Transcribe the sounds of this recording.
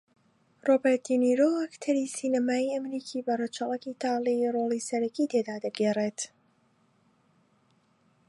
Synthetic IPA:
robɛt̪ʰiniɾoakt̪ʰɐɾisinɐmaːiɐmɾikʰiːbɐret͡ʃʰɐlˠakit̪ʰaːlirolˠiːsɐɾɐkiːt̪ʰed̪aːd̪ɐɡeret̪

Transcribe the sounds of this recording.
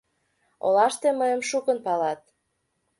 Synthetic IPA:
o̰lɑʃt̪eməjəmʃukə̆npɑlɑt̪̚

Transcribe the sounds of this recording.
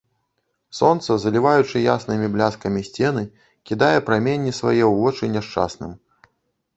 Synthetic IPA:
sɔnt̪sɐzɐlʲivajut͡ʂɨjasnɨmʲiblʲaskɐmʲisʲt͡sʲɛn̪ɨ | kʲid̪ajɛpɾamʲenʲːisva̰jɛwvɔt͡ʂɨnʲɛʂt͡ʂa̰snɨm

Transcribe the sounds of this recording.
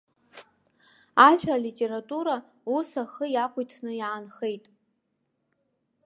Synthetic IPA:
aʒᶣalitʲʼe̞ɾatʼuɾa | usaχəjakʷʰʼʊjtʰnɨjaːnχe̞jtʼ

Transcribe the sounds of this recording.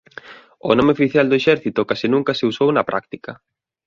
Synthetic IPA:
ʊnomeofiθjald̪ʊeʃɛɾθit̪ʊkasinũŋkɐseusownɐpɾʔa̰k̚t̪ikɐ

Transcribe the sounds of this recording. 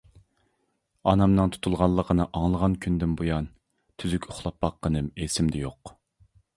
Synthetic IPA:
ɑnɑmnɨŋt̪ʰu̥t̪ʰulˠʁɑnlˠːəqʰənɨʔɑŋlˠəʁɑnkʲʰynd̪ɪnbojɑn | t̪ʰyzykʲʰʊχlˠɑpbɑqːənɨmesɪmd̪ɛjoq

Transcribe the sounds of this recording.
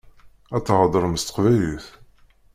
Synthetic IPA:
æt̪ːʁɑd̪ˤəɾˤəməst̪ə̥qvæjliθ

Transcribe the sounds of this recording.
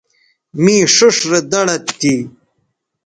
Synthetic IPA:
miːʂuʂɾed̪ɐɽɐt̪ːi

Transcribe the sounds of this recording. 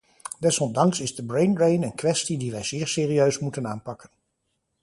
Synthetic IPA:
d̥ɛsɔmdɑŋsɪzdəbrejnɹejnənkʋɛstidiʋɛjz̥ɪːɹsɪːriøɥsmutənaːnpɑkən

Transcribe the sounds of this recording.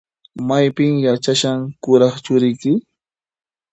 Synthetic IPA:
majpɪŋjat͡ʃaʃaŋkʊɾɑχt͡ʃʊɾɪjkɪ

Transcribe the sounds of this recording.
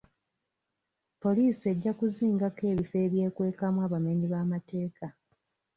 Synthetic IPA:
po̞liːsie̞ɟːakuziːŋɡake̞ːβife̞ːβje̞ːkwe̞ːkamwaːβame̞ːniβaːmate̞ːka

